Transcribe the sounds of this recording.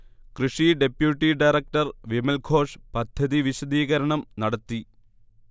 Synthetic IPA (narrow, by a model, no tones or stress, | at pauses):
krɨʂiɖe̞pjuʈːiɖɐjrɐk̚ʈɐrʋimɐlɡʰʱo̞ːʂpɐd̪ʱjɐðiʋiɕɐd̪iːɣɐɾɐɳɐmnɐɽɐt̪ːi